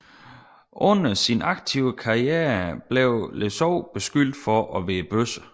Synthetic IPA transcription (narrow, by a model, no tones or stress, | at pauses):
ʔɔ̽n̰ɐsinɑ̈ɡ̥̚t͡sʰiʊ̰əkʰɑ̈ieːɐb̥leʊlesɒʊ̰b̥e̝sɡ̥yl̰d̥fɒʔɒ̽ʋeːb̥øsə